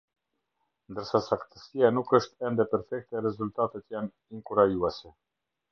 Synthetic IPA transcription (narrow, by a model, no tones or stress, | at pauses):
nd̪əɾsasakt̪ə̥sianukəʃt̪ɛnd̪ɛpɛɾfɛk̚t̪ɛɾɛzult̪at̪ɛt̪jan | iŋkuɾajuɛsɛ